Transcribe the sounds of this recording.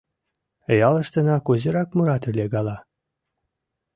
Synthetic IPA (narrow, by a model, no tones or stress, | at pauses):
jɑlˠɤ̆ʃt̪ɤ̆nɑkuzɤ̆ɾɑkmuɾɑt̪ɘ̆lʲeɡɑlˠɑ